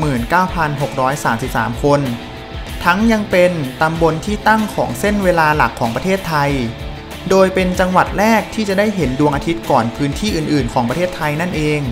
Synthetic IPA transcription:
mɯː˨˩nkaː˥˩wpʰa˧nɦo˨˩k̚ɾɔː˦˥jsaː˩˦msi˨˩p̚sa̰ː˩˦mkʰo˧n | t̪ʰa˦˥ŋja˧ŋpe˧nt̪a˧mbo˧nt̪ʰiː˥˩t̪a˥˩ŋkʰɔː˩˦ŋse˥˩nweː˧laː˧la˨˩kʰːɔː˩˦ŋpɾa˧t̪ʰeː˥˩t̪ʰːa˧j | doː˧jpe˧nt͡ɕa˧ŋwa˨˩t̪̚ɾɛː˥˩k̚t̪ʰiː˥˩t͡ɕa˨˩da˥˩jɦe˩˦ndu˧əŋʔaː˧t̪ʰi˦˥t̪̚kɔː˨˩npʰɯː˦˥nt̪ʰiː˥˩ʔɯː˨˩nʔɯː˨˩nkʰɔː˩˦pɾʰeː˥˩t̪ʰːa˧jna˥˩nʔeː˧ŋ

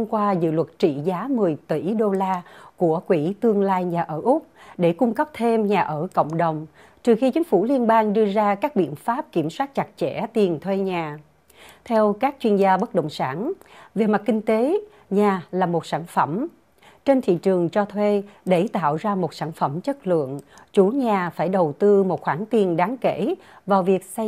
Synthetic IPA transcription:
mkwaː˧zɨ̰˧˨lwə˨˩t̚t͡ɕḭ˧˨zaː˨˦mɨ˨˩əjt̪i˧˩ɗo˧laː˧ku˧˩əkwi˧˩t̪ɨ˧əŋlaː˧jɲaː˨˩ʔəː˧˩ʔʊ˦˥k͡p̚ɗe˧˩kʊ˧ŋ͡mkə˦˥p̚t̪ʰe˧mɲaː˨˩ʔəː˧˩kə̰˧˨wŋ͡mɗə˨˩wŋ͡m | t͡ɕɨ˨˩xi˧t͡ɕï˨˦ŋ̟fu˧˩li˧ənɓaː˧ŋɗɨ˧əzaː˧kaː˦˥k̚ɓḭ˧˨ənfaː˦˥p̚ki˧˩əmswaː˦˥t̚t͡ɕa˨˩t̚t͡ɕɛ̰˧˥t̪i˨˩ənt̪ʰwe˧ɲaː˨˩ | t̪ʰɛ˧wkaː˦˥k̚t͡ɕwi˧ənzaː˧ɓə˦˥t̚ɗə̰˧˨wŋ͡msaː˧˩nve˨˩ma˨˩t̚kï˧ŋ̟t̪e˨˦ | ɲaː˨˩laː˨˩mo˨˩t̚saː˧˩nfə˧˩m | t͡ɕe˧nt̪ʰḭ˧˨t͡ɕɨ˨˩əŋt͡ɕɔ˧t̪ʰwe˧ɗe˧˩t̪a̰ː˧˨wzaː˧mo˨˩t̚saː˧˩nfə˧˩mt͡ɕə˦˥t̚lɨ̰˧˨əŋt͡ɕu˧˩˦ɲaː˨˩faː˧˩jɗə˨˩wt̪ɨ˧mo˨˩t̚xwaː˧˩ŋt̪i˨˩ənɗaː˨˦ŋke˧˩˨ | vaː˨˩wvi˨˩ək̚sa˧

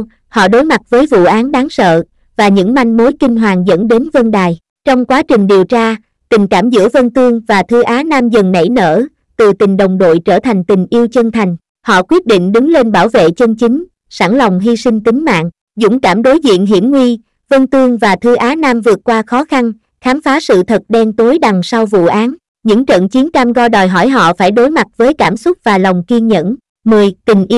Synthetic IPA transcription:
hɔ̰˧˨ɗo˨˦jma˨˩t̚vəː˨˦jvṵ˧˨ʔaː˨˦nɗaː˨˦ŋsə̰ː˧˨ | vaː˨˩ɲɨ̰˧˥ŋma˧jŋmo˨˦jkï˧ŋ̟ɦwaː˨˩ŋzə̰˧˥nɗe˨˦nvə˧nɗaː˨˩j | t͡ɕɔ˧wŋ͡mkwaː˨˦t͡ɕï˨˩ŋ̟ɗi˨˩əwt͡ɕaː˧ | t̪ï˨˩ŋ̟kaː˧˩mzɨ̰˧˥əvə˧nt̪ɨ˧əŋvaː˨˩t̪ʰɨ˧˦ʔaː˨˦naː˧mzə˨˩nnə̰˧˩jnə̰ː˧˩ | t̪ɨ˨˩t̪ï˨˩ŋ̟ɗə˨˩wŋ͡mɗo̰˧˨jt͡ɕəː˧˩t̪ʰa˨˩jŋ̟t̪ï˨˩ŋ̟ʔi˧əwt͡ɕə˧nt̪ʰa˨˩jŋ̟ | hɔ̰˧˨kwi˦˥t̚ɗḭ˧˨ŋ̟ɗɨ˨˦ŋle˧nɓaː˧˩wvḛ˧˨t͡ɕə˧nt͡ɕï˨˦ŋ̟ | saː˧˩ŋla˨˩wŋ͡mɦi˧sï˧ŋ̟t̪ï˨˦ŋ̟ma̰ː˧˨ŋ | zʊ̰˧˥ŋ͡mkaː˧˩mɗo˨˦jzḭ˧˨ənɦḭ˧˩əmŋwi˧ | və˧nt̪ɨ˧əŋvaː˨˩t̪ʰɨ˨˦ʔaː˨˦naː˧mvɨ˨˩ət̚kwaː˧xɔ˨˦xa˧n | xaː˨˦mfaː˨˦sɨ̰˧˨t̪ʰə˨˩t̚ɗɛ˧nt̪o˨˦jɗa˨˩ŋsa˧wvṵ˧˨ʔaː˨˦n | ɲɨ̰˧˥ŋt͡ɕə̰˧˨nt͡ɕi˨˦ənt͡ɕa˧mɣɔ˧ɗɔː˨˩jɦɔ˧˩jɦɔ̰˧˨faː˧˩jɗo˨˦jma˨˩t̚vəː˨˦jkaː˧˩msʊ˦˥t̚vaː˨˩la˨˩wŋ͡mki˧nɲə̰˧˥n | mɨ˨˩əjt̪ï˨˩ŋ̟ʔi˧

